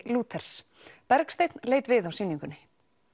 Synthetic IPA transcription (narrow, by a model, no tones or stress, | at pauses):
luːt̪ʰɛɾ̥s | pɛɾkst̪ejt̪nlejt̪vɪðawsiːniŋkʏnːɪ